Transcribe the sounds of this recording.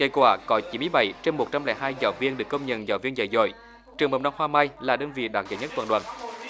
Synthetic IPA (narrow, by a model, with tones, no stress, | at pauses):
ŋə˧˩jkwaː˧˩kɔ˨˦t͡ɕi˨˦nmɨ˧əjɓa˧˩jt͡ɕe˧nmo˨˩t̚t͡ɕa˧mlɛ̰ː˧˨˦ɦaː˧jza̰ː˨˩wvi˧ənɗɨ˨˩əkːə˧wŋ͡mɲə̰˧˩nzaː˨˩wvi˧nzə̰˧˨˩jzo̰˧˨j | t͡ɕɨ˨˩əŋɓə̰˨˩wŋ͡mna˧wŋ͡mhwaː˧maː˧jlaː˨˩ɗəː˧nvḭ˧˨ɗaː˨˩t̚zə̰ː˨˦jɲ˦ə˦˥t̪waː˧˩ɗwa̰ː˧˨n